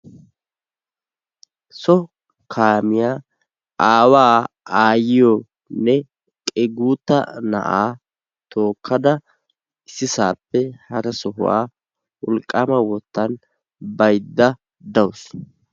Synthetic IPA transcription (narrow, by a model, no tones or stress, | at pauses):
sɔ | kʰaːmɪjaː | ʔaːwaː | aːjɪjɔ | nɛ | kʼɛɡuːt̪ːɐ̰nɐ̰ʔaː | t̪ʰo̞ːkʰːɐd̪ɐ | ɪsːɪsaːpːɛhɐɾɐsɔɦʊ̰wa̰ː | ʔʊlkʼːamɐwɔt̪ːɐn | bɐjd̪ːɐ | d̪ɐws